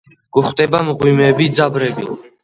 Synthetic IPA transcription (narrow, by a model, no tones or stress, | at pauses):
ɡ̥uχt̪ʼɛbamʁwimɛbid̪zabɾɛbḭl